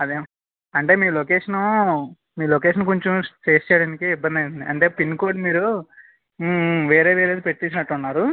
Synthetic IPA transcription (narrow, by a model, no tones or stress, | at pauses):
ɐd̪eː | ɐɳʈe̞ːmiːlokeːʂɐnu | miːlokeːʂɐnkoɲt͡ʃumt͡ʃeːst͡ʃːɛːɽɐːnikiibːɐnd̪ɐjund̪iɐɳʈe̞ːpinːkoːɾɖmiːɾu | ʋe̞ːɾe̞ːʋeːɾeːd̪ipe̞ʈːt̪iːs̬nɐʈːunːaːɾu